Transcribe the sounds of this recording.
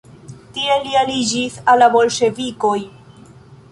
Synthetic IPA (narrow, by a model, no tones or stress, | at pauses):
tie̞lialid͡ʒisalːabo̞lʃe̞viko̞j